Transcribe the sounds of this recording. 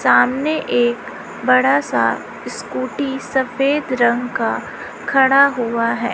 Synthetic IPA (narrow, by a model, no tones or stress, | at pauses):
saːmneʔeːk | bɐɽasa̰ | skuːʈisɐfeːd̪ɾɐ̃ŋɡka | kʰɐɽaɦuaɦɛ̰ː